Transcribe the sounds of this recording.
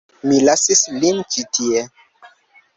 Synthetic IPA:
milasislint͡ʃitie

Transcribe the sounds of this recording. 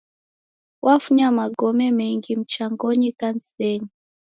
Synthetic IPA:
wʔafuɲamaɡɔmɛmɛŋɡim̩t͡ʃaŋɡɔɲikan̩sɛɲi

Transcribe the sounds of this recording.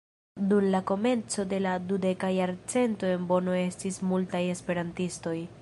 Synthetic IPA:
dumlako̞me̞nt͡so̞de̞ladude̞kajaɾt͡se̞nto̞e̞nbo̞no̞e̞stismultaje̞spe̞ɾantisto̞j

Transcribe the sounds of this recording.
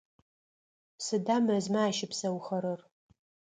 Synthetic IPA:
sɨdaːmɐzmaaːʃɪpsɐwχɐɾɐr

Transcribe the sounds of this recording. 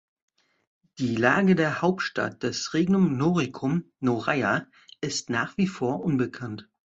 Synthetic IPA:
d̥iːlaːɡədeːɐhaʊp̚tʃta̰t̚d̥asʁeːɡnʊmnoːʁikʰʊm | noʁaɪa | ɪstnaːχv̥iːfoːɐʔʊnbəkʰant

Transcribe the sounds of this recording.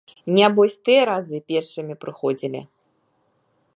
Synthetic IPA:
nʲabɔsʲt̪ɨjɐɾazɨpʲɛrʂɨmʲipɾɨxɔd͡zʲilʲḭ

